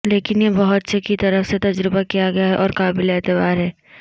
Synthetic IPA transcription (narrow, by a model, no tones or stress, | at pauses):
leːkɪnjebɐɦʊt̪sekːit̪ɐɾəfset̪ɐd͡ʒɾɪbakijaɡɐjaɦɛʔɔːɾkaːbɪleːt̪əbaːɾɦɛː